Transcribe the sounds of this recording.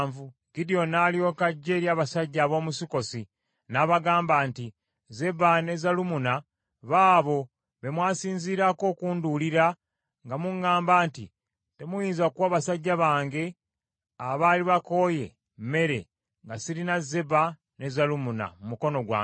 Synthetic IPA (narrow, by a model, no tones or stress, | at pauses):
vuɡidijo̞naːlio̞ːkaɟːeːɾjaːβasaɟːaːβo̞ːmusiko̞si | naβaɡaːmbaːnti | ze̞bane̞zalumuna | βaːβo̞ | βe̞mwaːsiːnziːɾako̞ːkuːnduliɾa | ŋɡamuŋːaːmbaːntḭ | te̞mujiːnzakwaːβasaɟːaβaːŋɡe̞ | aβaːliβako̞ːje̞̰ | me̞ɾe̞ | ŋɡasiɾinaze̞ba | ne̞zalumuna̰mumuko̞no̞ɡwa̰ː